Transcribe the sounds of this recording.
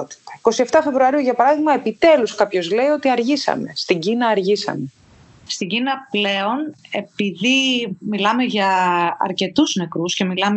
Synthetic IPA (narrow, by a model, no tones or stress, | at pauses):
ot̪i̥t̪ɐ̥iko̞sieft̪ɐfe̞vɾuɐɾiuʝɐpɐɾɐðiɣmɐepit̪e̞luskɐpço̞zle̞io̞t̪iɐɾʝisɐ̰me̞st̪iɲɟinɐːɾʝisɐ̰me̞ | st̪iɟinɐple̞o̞ne̞piðimilɐme̞ʝɐɐ̰ɾce̞t̪uzne̞kɾusce̞milɐm